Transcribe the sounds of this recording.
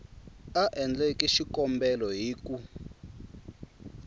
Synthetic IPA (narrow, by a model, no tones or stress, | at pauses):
aʔɛnd͡ɮɛkiʃikɔmbɛlɔɦiːku